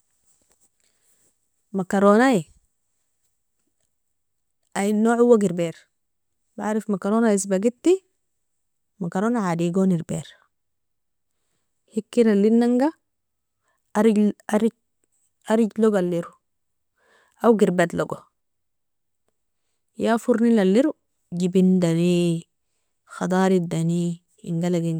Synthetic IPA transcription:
makaɾonai | ʔainːoːʕhuwːaɡiɾbeːɾ | baaɾifmakaɾonais̬baɡit̪ːi | makaɾoːnaʕadiɡoːniɾbḛːɾ | hikːiɾalːinːaŋɡa | aɾiɟaɾiɟ | aɾiɟloɡalːiɾu | awɡiɾbat̪loɡo | jafuɾnilalːiɾu | ɟibind̪ani | xɑd̪ɑːɾid̪ani | ḭŋɡalaɡin

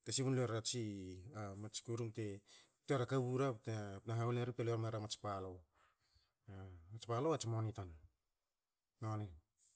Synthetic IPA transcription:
tesiβunloaɾat͡ʃiamat͡ʃi̥kuɾumte | toaɾakaβuɾatpnaɦauleɾip̚teloaɾmaɾamat͡ʃpalow | amat͡ʃpaloat͡ʃimonitan | nonem

